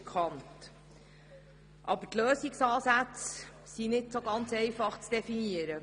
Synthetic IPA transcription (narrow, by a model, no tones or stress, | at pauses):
kχɑnt | ʔɑ̰bətløːsɪksɑːsæt͡s | sinɪtsoɡɑnt͡sɛɪfɑχt͡sd̥ɛfiniəɾə